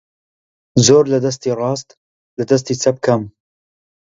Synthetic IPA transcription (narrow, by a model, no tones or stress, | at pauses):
zoːɾlɐd̪ɐs̬t̪iːrɑːst̪ | lɐd̪ɐs̬t̪iːt͡sʰɐb̚kʰɐm